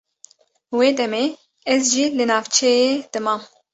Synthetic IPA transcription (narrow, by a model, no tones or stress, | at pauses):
weːd̪ɛmeː | ɛzʒiːlɨnɑːvt͡ʃʰɛjeːd̪̥ɨmɑːm